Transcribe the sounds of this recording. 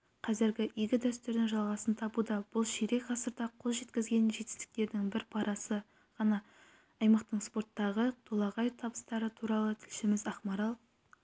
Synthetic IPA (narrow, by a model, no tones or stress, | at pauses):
qʰɑzɪɾɡʲɪʔiɡʲɪd̪æst̪ɪɾd̪ɪŋʒɑlˠʁɑsənt̪ʰɑbud̪ɑb̥ʊlˠʃiɾe̞kqʰɑsəɾd̪ɑqʰo̞lˠʒe̞t̪kʲɪzɡʲe̞nʒe̞t̪ɪ̥st̪ɪ̥k̚t̪e̞ɾd̪ɪŋbɪɾpʰɑɾɑsə | ʁ̥ɑnɑː | jmɑqt̪əɴspo̞ɾt̪ːɑʁət̪ʰolˠɑʁɑjt̪ʰɑbə̥st̪ɑɾət̪ʰuɾɑlˠət̪ʰɪlʃɪmɪzɑχmɑɾɑlˠ